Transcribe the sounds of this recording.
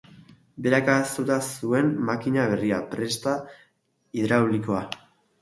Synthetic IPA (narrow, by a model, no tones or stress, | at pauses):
be̞ɾakast̪ut̪asue̞mːakiɲaβ̞e̞riapɾe̞st̪a | iðɾawliko̞a